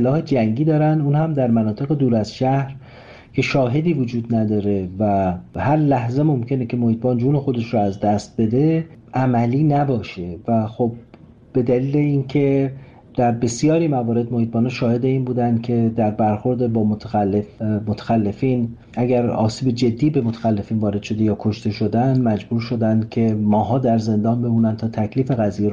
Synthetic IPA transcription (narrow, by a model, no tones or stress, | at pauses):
elɒːhed͡ʒæŋɟiːd̪ɒːɾænd̪uːnhæmd̪æɾmænɒːt̪ʰe̞ɣe̞d̪uːɾæzʃæhɾ | cʰe̞ʃɒːɦe̞d̪iːvo̞d͡ʒuːd̪næd̪ɒːɾe̞væhæɾlæhze̞mo̞mcʰe̞necʰe̞mohiːt̪̚bɒːnd͡ʒuːne̞xo̞d̪e̞ʃɾɔæzd̪æst̪̚be̞d̪e̞ʔæmæliːnæbɒːʃe̞væxob̥̚ː | e̞d̪æliːleiːncʰe̞ | d̪̥æɾbe̞sijɒːɾimævɒːɾe̞d̪mo̞hiːt̪̚bɒːnɑːʃɒːhe̞d̪e̞iːnbuːd̪ænd̪̚kʰe̞d̪æɾbæɾxo̞ɾd̪ebɒːmot̪ʰælefmot̪ʰæ̥xælːe̞fiːn | ʔæɟæɾɒ̰ːsiːbe̞d͡ʒe̞d̪ːiːbe̞mot̪ʰæ̥xælːe̞fiːnvɒːɾe̞d̪̥ʃo̞d̪e̞jɒːkʰoʃt̪e̞ʃod̪ænmæd͡ʒbuːɾʃo̞d̪ænd̪̚cʰe̞mɒːɦɒːd̪æɾze̞nd̪ɒːnbe̞muːnænt̪ʰɒːt̪ʰæcʰliːfe̞ɣæzijeɾ